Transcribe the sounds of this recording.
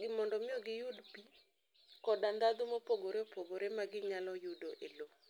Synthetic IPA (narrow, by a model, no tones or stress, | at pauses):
ɡɪmɔndɔmɪɔɡɪjudpi | kɔdand̪ad̪ʊmopoɡoɾeopoɡoɾemaɡɪɲalɔjudoʔelo